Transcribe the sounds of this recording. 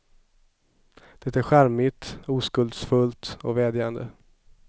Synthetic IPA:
d̪̥ɛt̪æɾɧæɾmɪt̪uːskɵld̪sfɵlt̪ɔvɛːd̪jand̪ə̰

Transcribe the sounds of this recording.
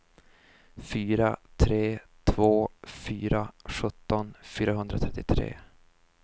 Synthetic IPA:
fyːɾa̰t̪ʰɾeːt̪ʰvoːfyːɾaɧɵt̪ːɔnfyːɾaɦɵnd̪ɾat̪ʰɾɛt̪ːɪt̪ʰɾḛː

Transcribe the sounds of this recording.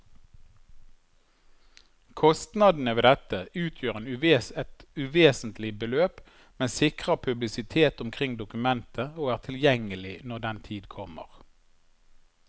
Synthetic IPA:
kʰɔst̪nɑd̪n̩əʋeːd̪ɛt̪əʉːt̪ʰjøːʁeːnʉʋeːsɛt̪ʉʋeːsn̩t̪lɪbəløːp | mɛnsɪkʁəpʰʉblɪsɪt̪ʰeːt̪ʊmkʰʁɪŋd̪ʊkʉmɛnt̪ʰəoːæːʁt̪ʰɪljɛŋəlɪnɔʁd̪ɛnt̪ʰiːd̪kʰɔmə̰ʁ

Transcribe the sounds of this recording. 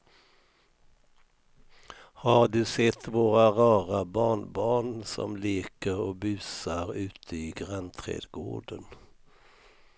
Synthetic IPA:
hɑːɖʉːsɛt̪ʰʋoːʁaʁɑːʁabɑːɳbɑːɳsɔ̰mliːkəʁoːbʉːsaʁʉːt̪ʰəiːɡʁant̪ʰʁḛːd̪ɡo̰ːɖən

